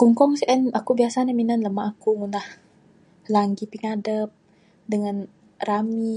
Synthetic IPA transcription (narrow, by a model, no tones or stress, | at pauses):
kuŋkɔmseʔɛnakubiasanaminanləmaʔːkuŋundah | laŋɡipiŋadəp̚ | dəŋan | rami